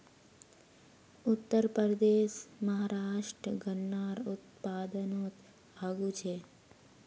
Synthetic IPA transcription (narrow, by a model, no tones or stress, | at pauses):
ʊt̪ːəɾpəɾəd̪eːʃmɐɦaːɾaːʃʈɾəɡənːaːɾʊt̪̚paːd̪ənoːt̪ | aːɡut͡ʃʰeː